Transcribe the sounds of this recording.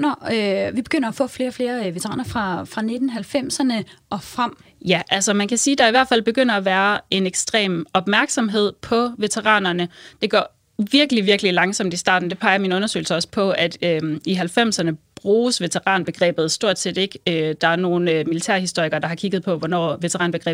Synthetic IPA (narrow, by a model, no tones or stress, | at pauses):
nɒʋib̥e̝ɡ̥øn̰ɐæfɔ̰̽fle̝ːɒfle̝ːɐʋe̝t͡sʰʁɑ̰̈ːnɐfʁɑ̈fʁɑ̈ne̝d̥n̩ɦælfem̰sɐnəʔɒ̽fʁam̰jæʔælsɐmænkʰæsiːd̥ɑ̈iʋæɐd̥fæl̰b̥e̝ɡ̥øn̰ɐæʋæːɐe̝neɡ̥sd̥ʁɛ̰ːmɒ̽b̥mæɐɡ̥sɒ̽mɦe̝ð̞̰ˠpʰɒ̽ʋe̝t͡sʰeʁɑ̰̈ːnɐnəd̥e̝ɡ̥ɒ̰ː | ʋiɐɡ̥əliʋiɐɡəlilɑ̈ŋsɒ̽m̰d̥isd̥ɑ̰̈ːd̥n̩d̥e̝pʰɑ̈ɪɐminɔ̽nɐsø̰ːɪl̩səɒ̽sə̥pʰɒ̽æd̥øiɦælfem̰sɐnəb̥ʁuːsʋe̝t͡sʰeʁɑ̰̈ːnb̥e̝ɡ̥ʁɛ̰ːb̥ð̞̩ˠsd̥o̝ɐ̰d̥se̝̰ːd̥e̝ɡ̥ød̥ɑ̈æɐno̝ːn̩ømilit͡sʰæɐ̰hisd̥o̝ɐ̰iɡ̥ɐd̥ɑ̈hɑ̈kʰiɡ̥ð̞̩ˠpʰɒ̽ʋɒnɒ̰ːʋe̝t͡sʰeʁɑ̈ːnb̥eɡ̥ʁɛ̰ː